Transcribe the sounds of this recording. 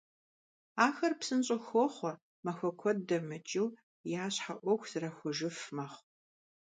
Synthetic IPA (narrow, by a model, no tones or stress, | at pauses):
aːxɐrpsɨnt͡ʃʼɪxʷɔχʷɔ | mɐxʷɔkʷʰɔddɐmɐt͡ʃʼɪw | jaːɕħaʔʷɔxʷz̥ɨrɐxʷʊʒɪfmɐχ